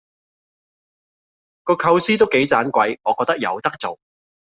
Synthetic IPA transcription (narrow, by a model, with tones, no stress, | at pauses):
kɔː˧kʰɐ˧wsiː˥t̪o˥wke˨˥jt͡saː˨˥nkʷɐ˨˧˥jŋɔː˨˧kɔː˧k̚t̪ɐ˥k̚jɐ̰˨˧wt̪ɐ˥k̚t͡so˨w